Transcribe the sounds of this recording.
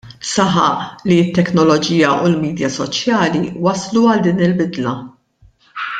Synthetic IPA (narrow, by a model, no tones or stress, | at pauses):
sɐħɐ̰ʔliɪt̪ːɛknɔlɔd͡ʒiːjɐʔulmiːd̪jɐsɔt͡ʃjɐːliwɐsluɐld̪iːnɪlbɪd̪lɐ